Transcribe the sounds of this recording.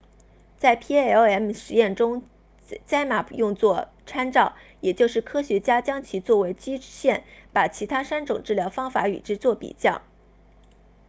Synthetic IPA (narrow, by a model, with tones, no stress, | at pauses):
t͡sa˥˩ɪpʰi˥ɛ˥o˥ʊɛ˥mʂɻ̩˧˥jɛ˥˩nʈ͡ʂʊ˥ŋ | t͡ɕa˥ɪma˨˩jʊ˥˧ŋt͡swɔ˥˩ | ʈ͡ʂʰa˥nʈ͡ʂɑ˥˩ʊjɛ˨˩t͡ɕjo˥˧ʊʂɻ̩˥˩kʰɤ˥ɕɥɛ˧˥t͡ɕja˥t͡ɕjɑ˥ŋt͡ɕʰi˧˥t͡swɔ˥˩we˧˥ɪt͡ɕi˥ɕjɛ˥˩npa˨˩t͡ɕʰi˧˥t̪ʰa˥ʂa˥nʈ͡ʂʊ˨˩ŋʈ͡ʂɻ̩˥˩ljɑ˧˥ʊfɑ˥ŋfa˧˥y̰˨˩ʈ͡ʂɻ̩˥t͡swɔ˥˩pḭ˨˩t͡ɕjɑ˥˩ʊ